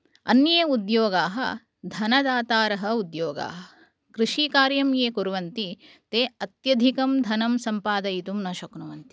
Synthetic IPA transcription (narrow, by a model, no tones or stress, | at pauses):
ɐ̰njeːud̪joːɡaːɦɐ̰ | d̪ʱɐnɐd̪aːt̪aːɾɐɦɐ̆ud̪joːɡa̰ːɦɐ | kɾiʃiːkaːɾjɐmjeːkuɾuʋɐnt̪i | t̪eːɐt̪jɐd̪ʱikɐmd̪ʱɐnɐmsɐmpaːd̪ɐjit̪umnɐʃɐknuʋɐnt̪i̥